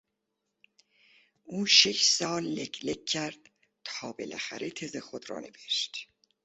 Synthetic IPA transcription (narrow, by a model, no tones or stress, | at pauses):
ʔuːʃeʃsɒːlːekʰlekʰːæɾd̪̥̚ | t̪ʰɒːbḛlʔæ̰xæ̰ɾʔet̪ʰezexod̪ɾɒ̰ːne̞veʃt̪